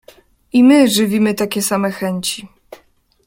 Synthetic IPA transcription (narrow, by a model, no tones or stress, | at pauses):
imɘʐɘvʲimɘt̪akʲɛsamɛxɛɲt͡ɕi